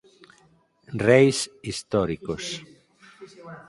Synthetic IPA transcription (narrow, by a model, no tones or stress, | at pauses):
rejsist̪ɔɾikos